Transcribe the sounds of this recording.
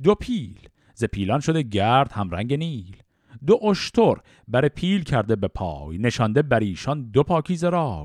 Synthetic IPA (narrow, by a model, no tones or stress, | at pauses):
d̪opʰiːl | ze̞pʰiːlɒnʃo̞d̪eɟæɾd̪̥hæmɾæŋɟe̞niːl | d̪oʔoʃt̪ʰoɾ | bæɾepʰiːlcʰæɾd̪e̞bepʰɒ̰ːjne̞ʃɒnd̪e̞bæɾiːʃɒnd̪opʰɒːkʰiːzeɾɒːv